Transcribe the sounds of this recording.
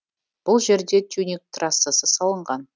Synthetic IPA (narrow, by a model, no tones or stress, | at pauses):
b̥ʊlˠʒe̞ɾd̪e̞t̪ʲʰunʲik̚t̪rɑsəsəsɑlˠəɴʁɑn